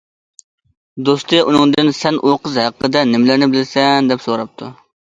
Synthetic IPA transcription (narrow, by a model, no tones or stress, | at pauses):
d̪ost̪ɨʔunɨŋd̪ɨnsɛnʔoqəzɦæqːəd̪ɛnɪmlɪɾnɪbɪlɪsɛnd̪ɛpsoɾɑp̚t̪ʰu